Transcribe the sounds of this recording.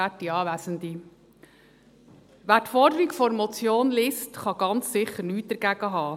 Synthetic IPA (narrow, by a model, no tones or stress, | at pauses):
ætːiɑːʋæsənd̪i | ʋæːtfɔɾdəɾiɡfɔɾmɔt͡sjoːnlɪstχɑɡ̥ɑnt͡ssɪχəɾnyːt̚d̥̪əɾɡ̥æɡ̥əɦɑː